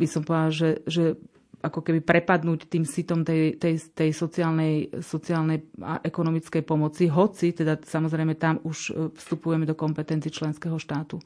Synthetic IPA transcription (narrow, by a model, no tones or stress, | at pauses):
bisɔmpɔd̪alʒɛʒɛ | ʔakɔkɛbipɾɛpad̪nuːct̪iːmsit̪ɔmt̪ɛt̪ɛjt̪ɛjsɔt͡siaːlnɛjsɔt͡siaːlnɛja̰ʔɛkɔnɔmit͡skɛjpɔmɔt͡siɦɔt͡sit̪ɛd̪asamɔzɾɛjmɛt̪amuʃfst̪upujɛmɛd̪ɔkɔmpɛt̪ɛnt͡siɛt͡ʃlɛnskɛɦɔʃt̪aːt̪u